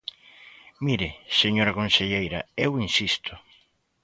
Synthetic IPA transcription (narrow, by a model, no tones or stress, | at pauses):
miɾɪseɲoɾakonseʎejɾɐ̰ewinsist̪ʊ